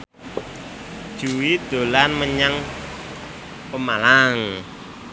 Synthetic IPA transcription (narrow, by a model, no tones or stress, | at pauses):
d̥ʒ̥uwid̪̥o̤lanməɲaŋ | pəmalaŋ